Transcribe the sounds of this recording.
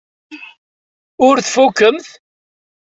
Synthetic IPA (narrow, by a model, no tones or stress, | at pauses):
ʊɾθfukːəmθ